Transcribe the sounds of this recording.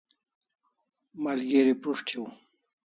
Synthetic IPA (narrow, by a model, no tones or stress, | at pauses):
malɡeɾipɾuʂʈʰiw